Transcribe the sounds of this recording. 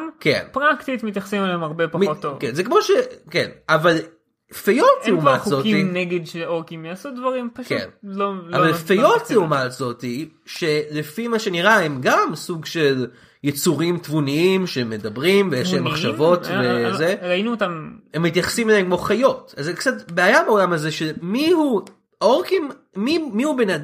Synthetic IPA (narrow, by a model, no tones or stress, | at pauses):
mkḛnpʁakt̪it̪mit̪jaχsimeleemaʁbepamitːovkenzekmo̞ʃekenaval | fejo̞t̪zeumvakzoineɡedʃeokimjasod̪vaʁimpaʃkḛnloavvalfejjo̞t̪zeumatzo̞ti | ʃe̞lefimaʃe̞niʁaemɡamsuɡʃe̞l | jet͡suʁimt̪vuniimʃeme̞dɐbʁimvejeʃemaχʃavo̞t̪vezeainuːt̪amhemːit̪jaχḁsimelemkmoχajo̞tazekt͡satbeajabeolamhazeʃemihu | oʁkim | mimiubenad